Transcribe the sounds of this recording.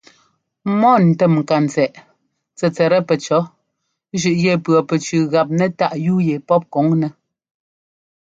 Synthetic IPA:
mɔ˦˨n̩˨tɛ˦˨mŋ̩˨ka˨n˨t͡sɛ˨ʔ | t͡sɛ˨t͡sɛ˨ɾɛ˦pɛ˨t͡ʃɔ˨˦ | ʒʉ˨ʔjɛ˦˨pɰɔ˨pɛ˨t͡ʃʉ˨ɣa˨p̬̚nɛ˦ta˦ʔjuː˦je˨pɔ˦p̚kɔ˨˦ŋnɛ˨

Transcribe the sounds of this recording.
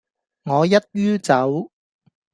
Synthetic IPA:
ŋɔː˨˧jɐ˥t̚ɥyː˥t͡sɐ˨˥w

